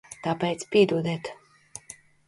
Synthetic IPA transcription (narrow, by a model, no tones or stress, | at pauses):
t̪apɛjt̪spʲiɛd̪uːd̪ɛːt̪